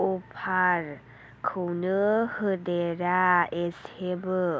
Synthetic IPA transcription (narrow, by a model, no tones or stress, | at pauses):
upʰaɾ | kʰɯwnɯhɯdeɾaeshebɯ